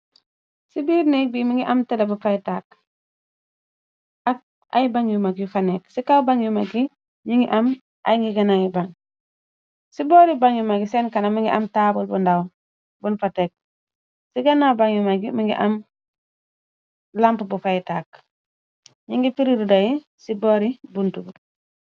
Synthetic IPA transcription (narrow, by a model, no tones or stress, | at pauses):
sibiːɾnɛk̚bimiŋɡiʔamtɛdabufajtaːk̚ | ʔak̚ | ʔa̰jibaŋjumakjufanɛksikawbaŋjumaɡi | ɲiŋɡiʔam | ʔa̰jŋɡiɡɐnajibaŋ | sibɔɾibaŋjumaɡisɛnkanamiŋɡḭʔamtabulbundaw | bunfatek̚ | siɡanawbaŋjumaɡimiŋɡḭʔam | lampbufajtaːk̚ | ɲiŋɡifiɾiɾudaji | siboɾibuntub